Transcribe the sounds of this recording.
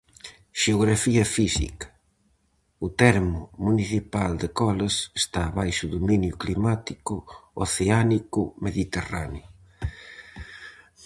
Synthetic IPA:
ʃeoɣɾafiɐfisḭkɐ̥ | ʊt̪ɛɾmʊmuniθipald̪ekɔlɐsest̪aːβajʃʊðuminjʊklimat̪ikʊoθeanikʊmeðit̪era̰njʊ

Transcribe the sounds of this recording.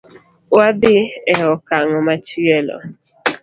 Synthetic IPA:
wabɪɛɔkaŋɔmat͡ʃielɔ̰

